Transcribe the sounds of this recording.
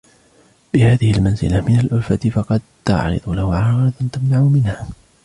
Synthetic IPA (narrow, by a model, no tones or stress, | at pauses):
bɪhaːðɪhɪlmanzɪ̰lamɪnalʔʊlfat̪ɪfɑqɑd̪̚t̪a̰ʕɾɨ̰d̪ˤʊlahʊʕɑˤɣɾɑt̪ant̪amnaʕʊmɪnhaː